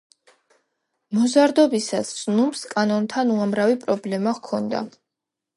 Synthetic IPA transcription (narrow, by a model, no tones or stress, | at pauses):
mɔzaɾd̪ɔbisasz̥numskʼanɔnt̪ʰanuamɾavipʼɾɔblɛmaʁkʰɔnd̪a̰